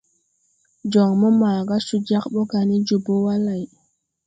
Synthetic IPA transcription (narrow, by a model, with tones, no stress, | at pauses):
d͡ʒɔ˨ŋmɔ˦maː˨ɡa˦su˦d͡ʒa˦kɓɔ˦ɡa˨ni˦d͡ʒu˨bo˦wa˦la˨j